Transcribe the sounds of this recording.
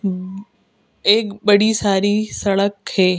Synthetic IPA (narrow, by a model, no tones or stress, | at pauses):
eːkɓəɽisaːɾisɐɭəkheː